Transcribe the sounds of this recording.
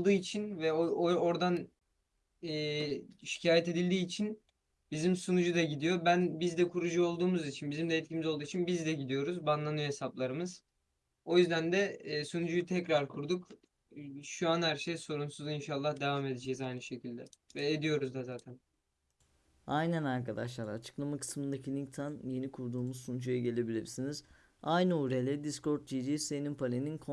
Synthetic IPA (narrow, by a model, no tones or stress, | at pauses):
d̪uːit͡ʃʰinvɛoo̞ɾd̪an | ɛːʃi̥cʰaːjɛt̪e̞d̪ilʲd̪iːt͡ʃʰin | bizimsunud͡ʒud̪aɟid̪ijo̞bænbizd̪ɛkʰuɾud͡ʒuo̞lˠd̪uːmuzit͡ʃʰinbizimd̪ɛːt̪̚cʰimizo̞lˠd̪uːit͡ʃʰinbizd̪ɛɟid̪ijo̞ɾuzbanlˠanɯjo̞ɦe̞saplˠaɾɯmɯz̥ | o̞jyzd̪ænd̪ɛːsunud͡ʒujt̪ʰɛcɾaɾkʰuɾd̪uk | ʃuanhæɾʃejso̞ɾunsuzinʃalˠːahd̪e̞vaːme̞d̪ed͡ʒɛizajnɯʃe̞cʰilʲd̪ɛvɛed̪ijo̞ɾuzd̪azaːt̪ʰæn | ajnænaɾkʰad̪aʃlˠaɾat͡ʃʰɯ̥klˠamakʰɯ̥smɯnd̪acʰinʲit̪ʰanje̞nikʰuɾd̪uːmuzsunud͡ʒujaɟe̞lʲe̞bilʲiɾsiniz̥ | ajnɯuɾelʲɛd̪isko̞ɾt̪̚d͡ʒid͡ʒisenimpʰalʲeninkʰo